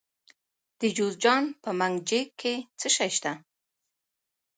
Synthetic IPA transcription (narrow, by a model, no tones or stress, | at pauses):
d̪̥əd͡ʒozd͡ʒɑnpəmaŋɡd͡ʒekkʰːet͡səʃajʃt̪a